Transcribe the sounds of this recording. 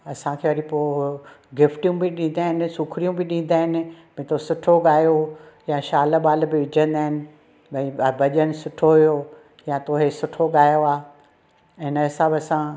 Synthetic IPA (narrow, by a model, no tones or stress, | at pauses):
ɐsãkʰeːʋɐɾĩpoːɡɪfʈijũbɪɗĩːn̆d̪aːɪnɪ̆sukʰɾijũbɪɗĩːn̆d̪aːɦɪnɪ̆bɐ̃ĩt̪osʊʈʰoɡaːjojãʃaːləɓaːlbɪʋɪd͡ʑʱə̃nd̪aːɦɪnɪ̆ | mɐ̃ĩbɐʄənɪ̆sʊʈʰoɦijo | jãt̪oːɦesʊʈʰoɡaːjoaː | ɪnəɦɪsãbɪɐsã